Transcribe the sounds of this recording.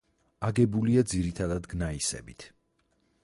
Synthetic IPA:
aɡɛbuliad̪ziɾit̪ʰad̪ad̪ɡnaisɛ̰bit̪ʰ

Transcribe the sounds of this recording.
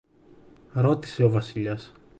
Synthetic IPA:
ɾo̞t̪i̥se̞o̞vɐsiʎɐs

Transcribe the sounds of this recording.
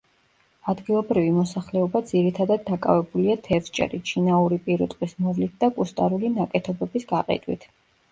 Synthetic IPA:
ad̪ɡilˠɔbɾivimɔsaχlɛɔbad̪z̥iɾit̪ʰad̪ad̪̚ːakʼa̰vɛbuliat̪ʰɛvst͡ʃʼɛ̰ɾit͡ʃʰinauɾipʼiɾɔt̪ʼqʼwismɔvlit̪̚ʰd̪akʼust̪ʼa̰ɾulinakʼɛt̪ʰɔbɛbisɡaqʼɛ̰d̪ʼwḭt̪ʰ

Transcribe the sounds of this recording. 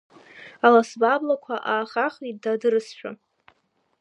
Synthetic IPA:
alasbablakʷʰaʔaːχaχidadɨrɨsʃᶣa̰

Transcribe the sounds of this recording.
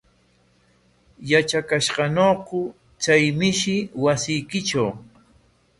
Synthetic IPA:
jat͡ʃakaʃɢɑnoːqʊ | t͡sajmɪʃɪwasɪjkɪʈ͡ʂaw

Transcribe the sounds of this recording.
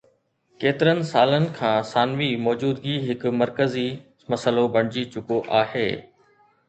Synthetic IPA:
keːt̪ɪɾənɪ̆saːlənɪ̆kʰãːsaːnʋimɔːd͡ʑuːd̪ɡiɦɪkʊmɐɾkəzi | mɐsəlobʱɐɽ̃ɪd͡ʑit͡ɕʊkoʔaːhḛː

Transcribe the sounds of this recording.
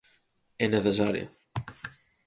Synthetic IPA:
eneθesaɾj̰ḛ

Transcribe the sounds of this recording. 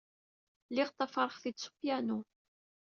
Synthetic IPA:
liʁt̪ˤːɑfɑɾˤχθid̪su̥fjænu

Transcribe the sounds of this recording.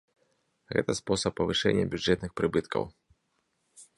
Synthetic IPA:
ɣɛ̰t̪ɐspɔsɐpːɐvɨʂɛ̰nʲːɐ̰bʲuʐɛt̪nɨxpɾɨbɨt̪kʰɐ̰w

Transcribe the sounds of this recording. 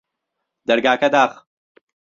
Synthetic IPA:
d̪ɐɾɡaːkɐd̪aːχ

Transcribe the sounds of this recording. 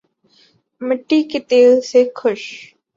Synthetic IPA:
mɪʈːiːket̪eːlsekʰʊʃ

